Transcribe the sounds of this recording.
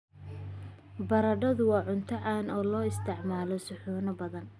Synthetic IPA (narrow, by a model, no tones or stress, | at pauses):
bɐɾɐɖɐðʊwɑːʕʊnt̪ʰɐʕaːnɔːlɔːɪst̪ʰɪʕmaːlɔsʊħuːnɐbɐðɐn